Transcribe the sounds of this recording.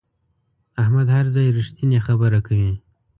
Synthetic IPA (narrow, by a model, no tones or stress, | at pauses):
ahmad̪haɾzɑjɾiʃt̪inexabəɾakawi